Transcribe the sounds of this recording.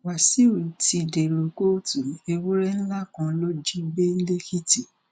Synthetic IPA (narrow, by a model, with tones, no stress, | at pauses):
wa˨si˦o˦˨i˨ti˧˨de˨ɾo˨ko˦tu˨e˧wo˦ɾɛ˦ñ̩˦la˦kã˧lo˦d͡ʒi˦be˦n̩˦le˦ki˦ti˨